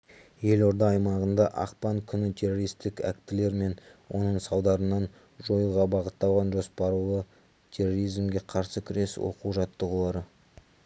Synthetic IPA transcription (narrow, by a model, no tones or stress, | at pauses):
je̞lo̞ɾd̪ɑːjmɑʁənd̪ɑʔɑ̰qpɑŋkʲʰʏnɪt̪ʲʰe̞roɾijst̪ɪkækt̪ɪle̞ɾme̞nwʔo̞nəɴsɑwˠd̪ɑɾənːɑn | ʒo̞jəʁɑbɑʁət̪ːɑlˠʁɑnʒo̞spɑɾulˠə | t̪ʰe̞rːo̞ɾijzmɡʲe̞qʰɑɾsəkʲʰʏɾe̞swo̞̰quwʒɑt̪ːəʁəlˠɑɾə